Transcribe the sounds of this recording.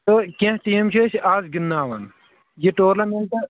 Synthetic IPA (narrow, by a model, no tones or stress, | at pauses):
t̪okẽɦʈiːmt͡ʃʰesaːzɡinːaːʋɐn | jiʈoːɾlɐmeɳʈɐ